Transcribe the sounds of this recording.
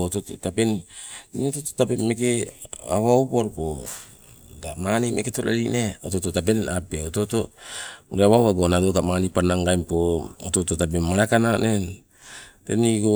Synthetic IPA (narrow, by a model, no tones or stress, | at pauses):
otototapenniotototapenme̞kea̰βaopoɾpo | damanimeketoɾa̰ɾineotototap̬e̞napeototoɾeaβaoβaɡonadokamanipanaŋɡajmpooto̞totap̬enmaɾakananen | teniɡo